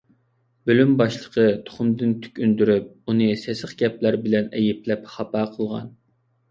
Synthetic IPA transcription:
bølymbɑʃlˠə̥qʰət̪ʰo̥χʊmd̪ɨnt̪ʰy̥kʲynd̪yɾyp̚unɨsɛsəχɡʲɛp̚læɾbɪlɛnɛjɪp̚lɛpχɑpɑːqʰəlˠʁɑ̰n

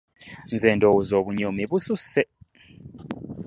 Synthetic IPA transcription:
nd͡zʱɛndʱɔuzoβuɲomiβususɛ

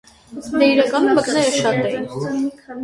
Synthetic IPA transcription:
d̪ɛiɾɑkɑnumːəknɛɾəʃɑt̪ɛin

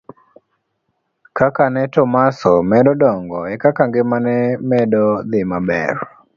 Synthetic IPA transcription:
kakanɛtɔmasɔmɛdɔdɔŋɡɔɛkakaŋɡɪmanɛmɛdɔd̪ɪmabɛ̰r

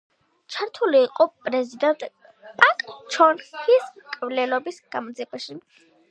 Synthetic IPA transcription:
t͡ʃʰaɾt̪ʰuliːqʼɔpʼɾɛzid̪ɛnt̪ʼ | pʼakʼt͡ʃʰɔnʰiskʼvlɛlɔbisɡ̥amɔd̪ziɛbaʃi

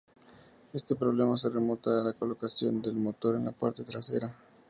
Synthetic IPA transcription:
est̪epɾoβlemas̬eremot̪aːlakolokasjond̪elmot̪oɾenlapaɾt̪et̪ɾasḛɾa

